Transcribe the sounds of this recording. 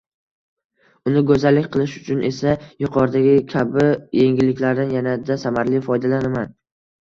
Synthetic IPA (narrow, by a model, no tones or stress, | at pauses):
ʊnɪɡɵzalːɪkʲqʰɨlˠɪʃʊ̥t͡ʃʰʊnʔe̞sajʊqʰɒɾd̪aɡʲɪkʲʰabɪje̞ŋɡʲɪlɪkʲlaɾd̪anjanad̪asamaɾlɪfɒjd̪alanaman